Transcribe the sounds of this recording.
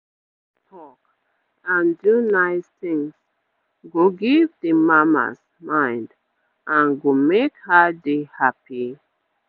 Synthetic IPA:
tʰɔk | ãndunaɪstɪ̃ŋs | ɡoɡivdəmama̰s | mãɪ̃nd | ʔãnɡomekhədehapi

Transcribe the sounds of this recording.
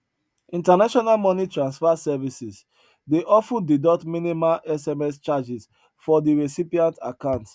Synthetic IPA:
ĩntanaʃɔnalmɔnitɹãnsfasɛvisis | deʔɔfũdidɔtmĩnimalʔɛsɛmɛst͡ʃad͡ʒis | fɔdiɹisipiãnta̰kãʊ̃nts

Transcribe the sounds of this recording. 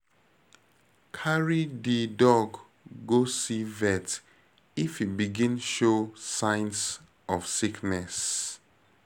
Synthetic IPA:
kʰaɹididɔɡː | osivɛt | ifhibiɡĩnʃosãɪns | ɔfsiknɛs

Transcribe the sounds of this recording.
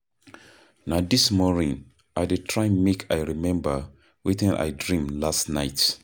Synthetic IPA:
nadismɔnĩŋ | ʔaɪditʰɹãɪmekʰa̰ɪɹimɛ̃mbə | witĩnʔa̰ɪdɹĩmlastnaɪt

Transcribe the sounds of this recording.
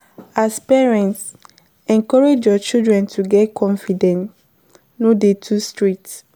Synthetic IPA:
aspɛɹɛ̃nts | ɛ̃ŋkɔɹed͡ʒjɔt͡ʃildɹɛ̃ntʰuɡɛtkʰɔ̃nfidɛ̃nt | nodetʰustɹit

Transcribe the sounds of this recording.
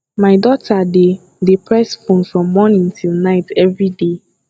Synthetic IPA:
maɪdɔtʰade | depʰɹɛsfõnfɹɔ̃mːɔnɪ̃ŋtʰilˠnaɪtʰɛvɹide

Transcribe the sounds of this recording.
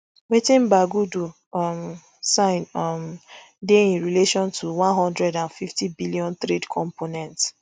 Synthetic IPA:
wetĩmbaɡudu | m | sãɪ̃nm | deĩnɹileʃɔ̃ntʰuwãnɦɔ̃ndɹɛdãnfiftibiliɔ̃nt̪ɾedkʰɔ̃mponɛ̃nts

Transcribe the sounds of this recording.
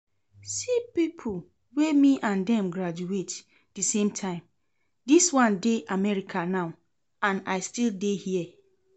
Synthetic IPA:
sipipʰu | wemiʔãndɛ̃mɡɹad͡ʒuet | dɨsẽmtʰãɪ̃m | diswɔ̃ndeʔamɛɹikʰanaʊ | ãnaɪstildehiɛ

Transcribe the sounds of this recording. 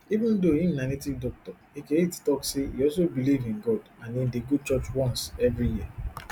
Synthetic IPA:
ivũndoĩmnanitikdɔk̚tɔ | ekeittɔkseḭɔls̬obilivĩnɡɔdãnĩndeɡud̚t͡ʃɔt͡ʃwɔ̃nsɛvɾijiə

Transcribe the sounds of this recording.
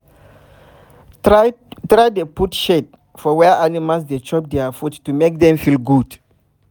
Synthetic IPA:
tɹajdeputʃet̚ | fɔwɛʔanimalsdet͡ʃɔp̚d̪eafutːumek̚dɛ̃mfilɡud̥

